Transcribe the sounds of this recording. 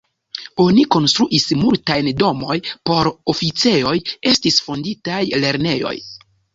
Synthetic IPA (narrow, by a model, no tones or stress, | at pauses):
o̞niko̞nstɾuʔismultajndo̞mo̞jpo̞ɾofit͡se̞o̞je̞stisfonditajle̞ɾne̞jo̞̰j